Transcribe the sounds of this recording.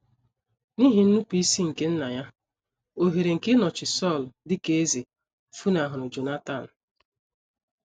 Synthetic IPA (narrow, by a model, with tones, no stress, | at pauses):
ni˦ɦi˨n̩˦nu˦pi˦si˦ŋ̩˨ke˦n̩˦na˨ja˦ | o˨ɦe˨ɾe˨ŋ̩˨ke˦nɔ˨t͡ʃɪ˨sɔ˦˨ldɪ˦ke˦e˦ze˨ | fu˦na˨ɦʊ˨ɾʊ˨d͡ʒo˨na˦ta˦˨n̩˨